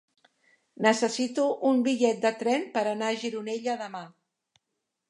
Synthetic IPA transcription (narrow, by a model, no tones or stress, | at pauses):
nəsəsit̪uʔumbiʎɛt̪̚d̪ət̪ɾɛnpəɾənaəʒiɾuneʎəðəma